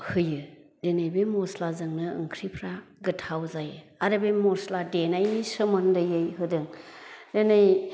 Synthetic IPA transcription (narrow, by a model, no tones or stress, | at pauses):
hɯjɯ | denajbemɔslazɯŋnɯɯ̰ŋkʰɾipʰɾaɡɯtʰawzajɯ | aɾɯbemɔsladenajsɯmɯndɯjɯjɦɯdɯŋdenɯj